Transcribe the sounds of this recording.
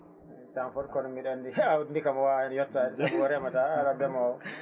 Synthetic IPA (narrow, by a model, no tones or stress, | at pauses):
ɛsanfɔɾkɔnɔmiɗandiawdndikamawaɛnjɔtːasakɔɾɛmataːɾabɛma